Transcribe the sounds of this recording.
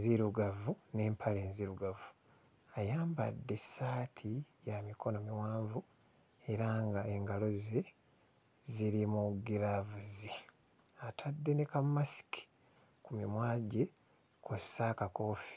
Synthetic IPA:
ziɾuɡavune̞ːmpʰaleːnziɾuɡavu | ajaːmba̰dːe̞saːtʰijamiko̞no̞miwaːɱvu | e̞ɾaŋɡae̞ŋɡalo̞ze | ziɾimuɡiɾavuzi | atʰadːe̞nekammːasi̥ki̥ | kumimwaːɟe | kosakakoːfi̥

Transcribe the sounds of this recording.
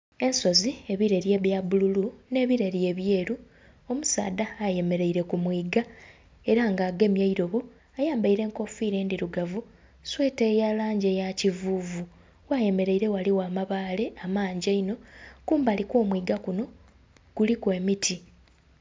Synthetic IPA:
e̞nso̞zie̞βiɾe̞ɾje̞ːβjaβululune̞ːβiɾeɾje̞ːβje̞ːɾu | o̞musa̰ːd̪aːje̞me̞ɾe̞iɾe̞kumwiːɡa | e̞ɾaŋɡaːɡe̞mjaiɾo̞βo̞ | ajaːmbaiɾe̞ːŋko̞fiːɾe̞ːndiɾuɡavu | swe̞ːtejalaːɲɟejacivuːvu | waje̞me̞ɾe̞iɾe̞waliwaːmaβaːle̞amaːɲɟaino̞kuːmbalikwoːmwiːɡakuno̞ | ɡ̥ulikwe̞ːmitʰi

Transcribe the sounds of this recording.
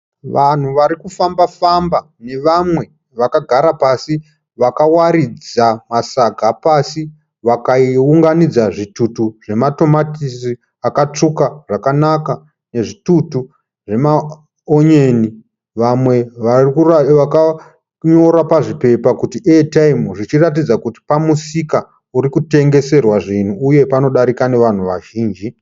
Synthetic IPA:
ʋan̤uʋaɾikufambafamba | ne̞ʋamwe̞ | ʋakaɡʱaɾapasi | ʋakawaɾid͡zamasaɡʱapasi | ʋakaiuŋɡanid͡zaʐitutuʐe̞mato̞matisi | akat͡ʂukaʐ̥akanaka | ne̞ʐitutu | ʐe̞ma | oɲe̞ːni | ʋamwe̞ʋarkaka | ɲo̞ɾapaʐipe̞pakutietaimʐit͡ʃirat̬id͡zakuti̥pamusika | uɾikute̞ŋɡe̞se̞rwaʐin̤uːje̞pano̞ɗaɾikane̞ʋan̤uʋaʒiːnd͡ʒi

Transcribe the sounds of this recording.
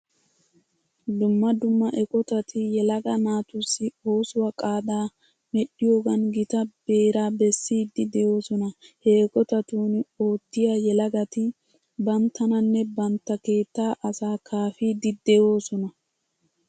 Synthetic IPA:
d̪ʊmːɐd̪ʊmːɐʔɛkʼɔt̪ɐt̪ʰɪjɛlɐɡɐnaːt̪ʊsːɪo̞ːsʊwɐkʼaːd̪aː | mɛɗɪjo̞ːɡɐnɡɪt̪ɐbe̞ːɾaːbɛsːiːd̪ːɪd̪ɛjo̞ːsɔnɐhɛɛkʼɔt̪ɐt̪uːno̞ːt̪ːɪjajɛlɐɡɐt̪ɪ | bɐnt̪ːɐnɐnːɛbɐnt̪ːɐke̞ːt̪ːaːʔɐsaːkʰaːfiːd̪ɪd̪ɛjo̞ːsɔnɐ

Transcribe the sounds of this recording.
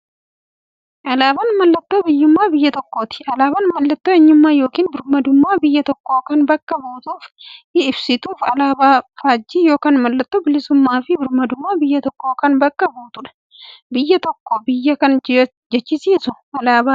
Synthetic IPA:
ʔɐlaːbɐnmɐlːɐt̪ʼːoːbɪjːʊmːaːbɪjːɐt̪ɔkːoːt̪ɪ̥ʔɐlaːbɐnmɐlːɐt̪ʼːoːɛɲːʊmːaːjo̞ːkiːnbɪɾmɐd̪ʊmːaːbɪjːɐt̪ɔkːo̞ːkɐnbɐkːɐboːt̪uːfɪɪbsɪt̪uːfɐlaːbaːfaːd͡ʒːiːjo̞ːkaːnmɐlːɐt̪ʼːoːbɪlɪsʊmːaːfɪbɪɾmɐd̪ʊmːaːbɪjːɐt̪ɔkːoːkɐnbɐkːɐboːt̪ʊᶑɐ̥ | bɪjːɐt̪ɔkːobɪjːɐkɐn | d͡ʒɛt͡ʃːɪsiːsʊʔɐlaːba

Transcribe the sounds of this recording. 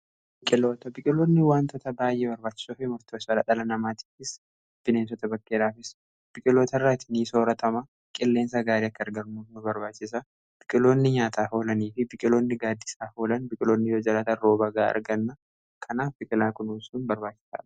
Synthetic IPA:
b̥ɪkʼɪlo̞ːt̪ɐbɪkʼɪloːnːɪwaːnt̪ɔt̪ɐbaːjʔeːbɐɾbaːt͡ʃːɪ̥soːfɪmʊɾt̪ʰoːsɐlɐᶑ̪ɐlɐnɐmaːt̪i̥ːfɪs | b̥ɪneːnsɔt̪ɐbɐkːeɾaːfɪs | b̥ɪkʼɪlo̞ːt̪ɐrːat̪ʰɪniːso̞ːɾɐt̪ʰɐmɐ | kʼɪlːe̞ːns̬ɐɡaːɾeːɐkːɐɐɾɡɐɾnunʊbɐɾbaːt͡ʃːɪs̬ɐ | b̥ɪkʼɪlo̞ːnːɪɲaːt̪ʰaːɦo̞ːlɐniːfɪbɪkʼɪlo̞ːnːɪɡaːd̪ːɪsaːho̞ːlɐnbɪkʼɪloːnːɪjoːd͡ʒɐlat̪ɐrːoːbɐɡaːɐ̰ɾɡɐnːɐ | kʰɐnaːfbɪkʼɪlaːkʊnusunbɐɾbaːt͡ʃːɪ̥sa̰ːᶑɐ̥

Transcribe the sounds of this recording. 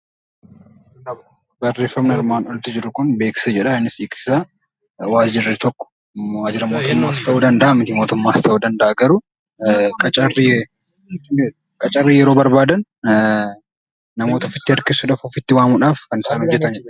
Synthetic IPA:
ɐ | bɐrːe̞ːfːɐmnɐɪɾmaːnɔlt̪ɪd͡ʒɪɾʊkʊnbeːksɪ̥sɐd͡ʒɛᶑɐɪnːɪsiːksɪ̥sɐ | waːd͡ʒɪɾɪt̪ɔkːɔ̥ | waːd͡ʒɪɾɐmo̞ːt̪ʊmːaːɐst̪ɐʔuːd̪ɐnd̪ɐʔɐmːɪt̪ɪmoːt̪ʊmːaːɐst̪ɐʔuːd̪ɐnd̪ɐʔɐɡɐɾʊ | kʼɐt͡ʃʼɐrːi | kʼɐt͡ʃʼɐrːijɛɾo̞ːbɐɾbaːd̪ɐn | nɐmo̞ːt̪ɐfɪt̪ːɪɐɾkɪsuᶑaːfɔfɪt̪ːɪwaːmuᶑaːfkɐnɪsaːnhɔd͡ʒːɛt̪ɐnd͡ʒ

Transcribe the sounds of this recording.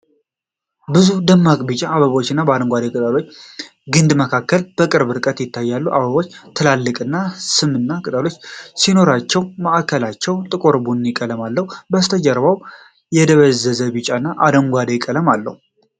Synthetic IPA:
bɨzud̪əmːakʼbɨt͡ʃʼaːβəβo̞t͡ʃːɨnːabəad̪əŋɡʷad̪ekʼɨt̪ʼalo̞t͡ʃː | ɡɨnd̪məkʰakːəlb̥əkʼɨɾbɨɾkʼət̪jɪt̪ʰːajːalːuʔaβəβo̞t͡ʃːt̪ʰɨlalːɨkʼɨnːasɨmɨnːakʼɨt̪ʼalo̞t͡ʃːsino̞ɾat͡ʃːɛwməʔkʰːəlat͡ʃːɛwt̪ʼɨkʼoɾbunjɪkʼələmalːəhubəst̪ʰəd͡ʒəɾβaw | jɛd̪əβəzəzəβɨt͡ʃʼanːaʔad̪əŋɡʷad̪ekʼələmalːə̰hu

